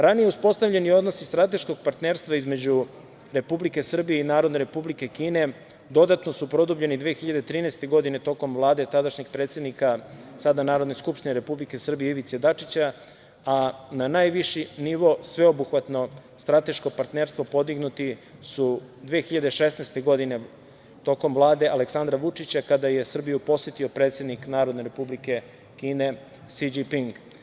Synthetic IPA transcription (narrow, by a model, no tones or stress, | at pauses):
ɾanije̞uspo̞st̪avʎe̞nio̞d̪no̞sist̪ɾat̪e̞ʃko̞ɡ̚paɾt̪neɾst̪vʋaizme̞d͡ʑu | ɾe̞publike̞sr̩bijeinaːɾo̞d̪ne̞ɾe̞publike̞kiːne̞ | d̪o̞d̪at̪no̞supɾo̞d̪ubʎe̞nid̪ʋeːxiʎad̪e̞t̪ɾiːnɛst̪e̞ɡo̞d̪ine̞t̪o̞ko̞mʋlˠaːd̪e̞t̪ad̪aʃɲeɡ̚pɾet̪sje̞d̪nikasad̪anaːɾo̞d̪neskupʃt̪ineɾe̞publike̞sr̩bijeiʋit̪sed̪at͡ʂit͡ɕa | ananajʋiʃiniʋo̞sʋe̞obuxʋat̪no̞ | st̪ɾat̪e̞ʃko̞paɾt̪neɾst̪ʋo̞po̞d̪iɡnut̪isud̪ʋeːxiʎad̪e̞ʃesnest̪e̞ɡo̞d̪ine̞ | t̪o̞ko̞mʋlˠaːd̪e̞ʔaleksand̪ɾaʋut͡ʂit͡ɕakad̪aje̞sr̩bijupo̞sjet̪io̞pɾe̞ːt̪sje̞d̪niknaːɾod̪ne̞ɾe̞publike̞ | kiːne̞ | sid͡ʑipiŋɡ